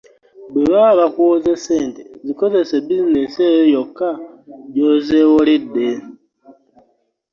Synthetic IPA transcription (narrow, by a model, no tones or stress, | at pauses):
βuβaβakwozeseːntiziko̞ze̞seβizinesejojokːaɟozewolidːe